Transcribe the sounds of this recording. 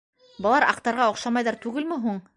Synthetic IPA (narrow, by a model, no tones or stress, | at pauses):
bɤ̆lˠɑɾɑ̰qt̪ɑɾʁɑŏqʃɑmɑjðɑɾt̪ʉɡɘlmɘɦuɴ